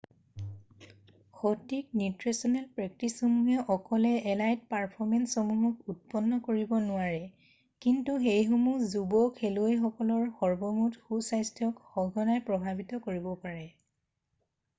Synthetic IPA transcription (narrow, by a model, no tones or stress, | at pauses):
xotik̚nutɹesɔnɛlpɹɛk̚tisomuɦɛʔɔkɔlɛɛlajt̚paɹpʰɔɹmɛnsɔmuɦɔkut̚pɔnːɔkoɹibɔnʊaɹɛ | kintuxejxumuzubɔkʰelojxɔkɔlɔɹxɔɹbɔmutxusajstʰjɔkxɔɡʱɔnajpɹɔbʱabitɔkoɹibɔpaɹɛ